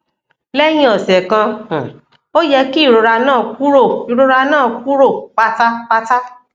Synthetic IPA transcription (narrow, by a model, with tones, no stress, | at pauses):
lɛ˦j̃ĩ˦ɔ˨sɛ˨kã˧˨ | o˦jɛ˧ki˦˨ɾo˨˧ɾa˧nãː˦˨ku˦ɾo˦˨i˨ɾo˨˧ɾa˧nãː˦˨ku˦ɾo˦˨k͡pa˦ta˦k͡pa˦ta˦